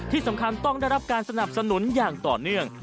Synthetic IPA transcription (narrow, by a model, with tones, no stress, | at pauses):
t̪ʰiː˥˩sa˩˦mkʰa˧nt̪ɔ˥˩ŋda˥˩jɾa˦˥p̚kaː˧nsa˧na˨˩p̚sa˧nu˨˩˦njaː˨˩ŋt̪ɔː˨˩nɯ˥˩əŋ